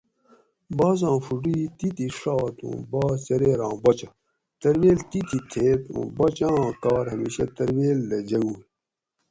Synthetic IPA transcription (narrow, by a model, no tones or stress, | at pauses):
baːzãːfuɖit̪it̪iʂaːt̪ṵ̃ːbaːt͡ɕɐɾeːɾãːbɐt͡ɕɐ | t̪ɐɾweːlt̪it̪ʰit̪ʰeːt̪ṵ̃bɐt͡ɕãːkaːɾɦɐmiːɕet̪ɐɾweːlːed͡ʑɐɡuː